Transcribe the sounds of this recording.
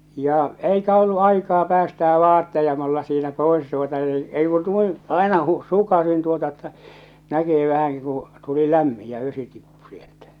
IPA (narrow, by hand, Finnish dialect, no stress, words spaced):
jɑ eikæ olːu ɑikɑː pæːstæː ʋɑːtːejɑ mulːɑ siːnæ poes tuotɑ ni ei ku nuin ɑˑenɑ hu sukɑsin tuotɑ etːæ nækisi ʋæhæŋki kũː tuli læmːi jɑ̃ ʋesi tipːu sieltæ̥